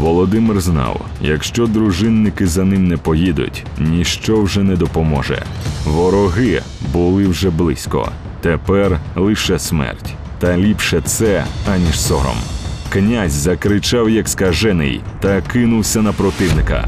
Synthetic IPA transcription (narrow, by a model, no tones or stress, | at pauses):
ʋɔlˠɔd̪ɪmɪrznɑ̰w | jɐ̰kʃt͡ʃɔd̪ɾʊʒɪnːɪkɪzɐnɪmnɛpɔjid̪ʊ̰tʲ | nnʲiʃt͡ʃɔwʒɛnɛd̪ɔpɔmɔʒɛ̰ʋɔɾɔɦɪ | bʊlˠɪwʒɛblˠɪsʲkɔ̰ | t̪epɛrlˠɪʃɛsmɛ̰rtʲ | t̪ɐlʲipʃɛt̪sɛanʲiʃsɔɾɔ̰mknʲazʲzɐkɾɪt͡ʃɑwjɐkskɐʒɛnɪ̰jt̪ɐkɪnʊwsʲɐnɐpɾɔt̪ɪwnɪkɐ̰